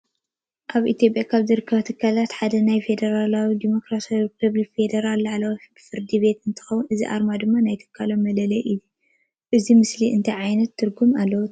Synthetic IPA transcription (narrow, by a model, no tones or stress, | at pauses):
ʔaβʔit̪ʰjo̞p̬ʼjakʰaβzɨɾɨkʰːɐβat̪ʰɨkʰːalat̪ħad̪ɐnajfe̞d̪ɐɾalawid̪imo̞kɾasawiɾipʰɐβlikfe̞d̪ɐɾalːaʕlawibfɨɾd̪ibe̞t̪ɨnt̪ʰɨ̥xɐwunɨzḭʔa̰ɾmad̪ɨmːanajt̪ʰɨ̥kʰːalo̞mːɐlɐlɐjʔɨju | ʔɨzimɨsliʔɨnt̪ʰɐjʕajnɐt̪ʰːɨɾɡumalːɐwut̪